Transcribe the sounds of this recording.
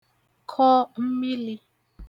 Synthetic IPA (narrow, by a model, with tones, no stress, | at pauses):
kʰɔ˦m̩˦mi˦li˦